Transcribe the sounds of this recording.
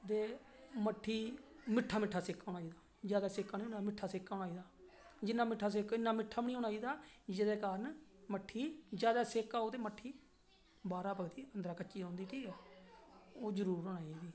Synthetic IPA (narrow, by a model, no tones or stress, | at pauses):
t̪eː | məʈʰːiːmɪʈʰːaːmɪʈʰːaːseːkːaːʊɳaːiːd̪aː | d͡ʒjaːd̪aːseːkaːniːnːamɪʈʰːaːseːkːaːɦʊɽaːiːd̪aː | d͡ʒɪnːãːmɪʈʰːaːs̬eːkːɪnːaːmɪʈʰːaːbənĩːʊɳaːiːd̪aːd͡ʒɪd̪eːkaːɾənməʈʰːiːd͡ʒaːd̪aːseːkaːoːt̪eːməʈʰːiː | baːɾaːpəɡt̪iːənd̪ɾaːkət͡ʃːt͡ʃiːõːnd̪iːʈʰiːkɛː | oːd͡ʒəɾuːɾəɳaːiɡiː